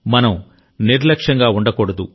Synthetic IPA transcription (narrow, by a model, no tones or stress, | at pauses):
mɐnɐm | niɾlɐkʂɐŋɡaːuɳɖɐkɔɽɐd̪ṵ